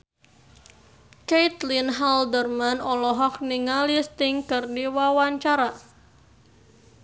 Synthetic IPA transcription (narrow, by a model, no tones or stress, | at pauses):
kejt̪linɦaldərmanɔlɔɦɔk̚niŋalist̪ɪŋkɨrdiwawaɲt͡ʃaɾa